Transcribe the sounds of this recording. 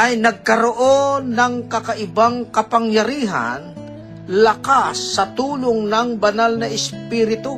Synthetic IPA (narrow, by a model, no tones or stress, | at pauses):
ʔɐjnɐɡ̚kɐɾoʔonɐŋkɐkaʔɪbaŋkɐpaŋjɐɾiːɦa̰n | lɐkasːɐt̪uːloŋnɐŋbɐnalnɐʔɪspiːɾɪt̪o